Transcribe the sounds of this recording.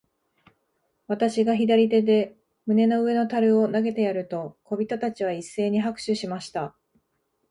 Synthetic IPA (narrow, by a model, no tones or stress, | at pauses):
βat̪aɕiɡaçid̪aɾʲit̪e̞d̪e̞ | mɯ̟ne̞no̞ɯ̟e̞no̞t̪aɾɯ̟o̞naɡe̞t̪e̞jaɾɯ̟t̪o̞ko̞bʲit̪ot̪at͡ɕiβ̞aisːe̞ːɲ̟iɦakɯ̟̥ɕɨɕimaɕi̥t̪a